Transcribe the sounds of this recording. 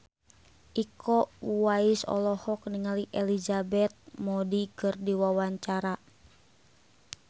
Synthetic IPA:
ʔikɔwaisɔ̰lɔhɔkniŋaliʔɛlizabɛt̪̚mɔdikɨrdiwawaɲt͡ʃaɾa

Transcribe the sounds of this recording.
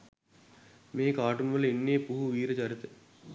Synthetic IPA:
meːkaːʈumʋɐlinːeːpuɦuʋiːɾɐt͡ʃɐɾit̪e

